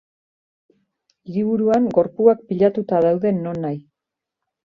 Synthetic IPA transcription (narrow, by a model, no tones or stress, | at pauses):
iɾiβ̞uɾuaŋɡo̞ɾpuak̚piʎat̪ut̪aðawðe̞no̞nːaj